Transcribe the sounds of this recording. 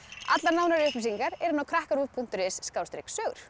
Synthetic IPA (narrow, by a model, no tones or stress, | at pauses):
a̰t̪laɾnaːwnaɾʏhpɪsiŋkaɾɛɾʏnawkʰɾahkaɾuːðpʰun̥t̪ʏɾɪsːkawst̪ɾḛjksœːɣɾ̥